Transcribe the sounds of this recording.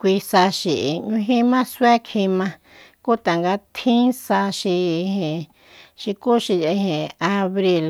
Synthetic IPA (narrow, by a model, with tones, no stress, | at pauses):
kʷi˧sa˧ʃi˨ʔɲũ˧ɦĩ˦mã˦swe˦kʰĩ˧mã˧ | ku˦t̪a˨ŋɡa˧t̪ʰĩ˦sa˧ʃi˧hẽ˨ | ʃi˧ku˦ʃi˧i˧ɦẽ˨aa˧βɾi˧l